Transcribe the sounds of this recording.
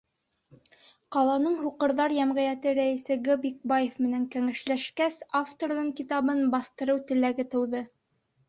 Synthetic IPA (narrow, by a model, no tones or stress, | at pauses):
qɑlˠɑnɤɴhuqɤ̆ɾðɑɾjæmʁæjæt̪ɘɾæisɘɡobik̚bajefmɘ̆næŋkæŋæʃlæʃkæsaft̪oɾðɤɴkit̪ɑβɤnbɑθt̪ɤ̆ɾɤwt̪ɘ̆læɡɘt̪ɤ̆wðɤ